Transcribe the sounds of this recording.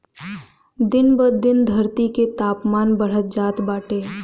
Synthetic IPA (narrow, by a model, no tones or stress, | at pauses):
d̪ɪnbəd̪d̪ɪnd̪ʱɐɾt̪iket̪aːpmaːnbəɽ̤ət̪̚d͡ʒaːt̪baːʈeː